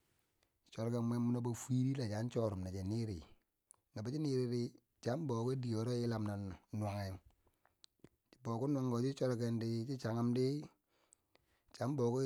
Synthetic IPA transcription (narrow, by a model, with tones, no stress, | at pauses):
t͡ʃo˦ɾke˦me˦mmu˦na˦ba˦fi˦ɾi˦la˨t͡ʃa˨˦n˦t͡ʃo˦ɾu˨mna˨t͡ʃe˨ni˦ɾḭ˨ | na˨ba˨˦t͡ʃi˦ni˦ɾi˦ɾi˦ | t͡ʃa˨˦m˦bo˨ko˦di˨jo˨ɾo˦i˦la˨mna˨nwa˨ŋe˨˦ | t͡ʃi̥˨bo˨ku˦na˦ŋɡo˨d͡ʒi˦t͡ʃo˦lke˦ndi˦t͡ʃi˦t͡ʃa˨ŋa˦mdi˦ | t͡ʃa˨˦bo˨ko˦